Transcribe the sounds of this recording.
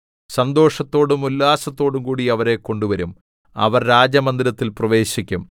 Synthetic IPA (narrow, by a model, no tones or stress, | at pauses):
sɐnd̪o̞ːʂɐt̪ːo̞ːɽumulːaːsɐt̪ːo̞ːɽumkuːɽiɐʋɐɾe̞kːo̞ɳɖuʋɐɾum | ɐ̰ʋɐrɾaːd͡ʑɐmɐnd̪iɾɐt̪ːilprɐʋe̞ːɕikʲːum